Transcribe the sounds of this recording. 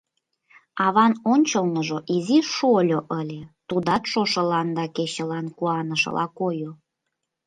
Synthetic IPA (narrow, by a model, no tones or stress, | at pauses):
ɑβɑnonʲt͡ɕəlnəʒoʔiziʃolʲoʔəlʲet̪ud̪ɑt̪ʃoʃɤ̆lɑnd̪ɑkeɕə̆lɑnkuɑnəʃə̰lʔɑ̰kojo